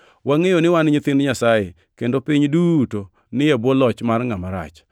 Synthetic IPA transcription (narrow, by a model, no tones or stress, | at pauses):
waŋejonɪwanɲɪt̪ɪnɲasaje | kendopɪɲduto | nɪjabwɔlɔt͡ʃmarŋamaɾa̰t͡ʃ